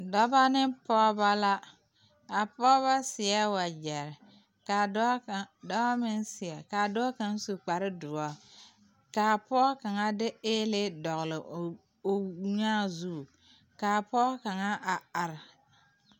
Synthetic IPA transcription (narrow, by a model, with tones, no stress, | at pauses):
dɔ˦ba˦nɪ˦pɔː˦ba˦la˦ | a˨pɔ˦βa˦sɪ˨ɛ˦wa˨d͡ʒɛ˨ɾɪ˨ | ka˨˦˨dɔ˦ba˦mɪ˦nsɪ˨ɛ˨ka˨dʊ˦a˦ka˦n˦su˨k͡pa˨ɾɪ˦dʊ˨ɔ˦ | kaː˨pɔː˦ka˨ŋa˦dɪ˦eː˦lɪ˦dɔ˨ɣlɪ˨ | o˨˦ɲaː˦zu˦˨ | kaː˨pɔː˦ka˨ŋa˦ʔa˨a˨ɾɪ˨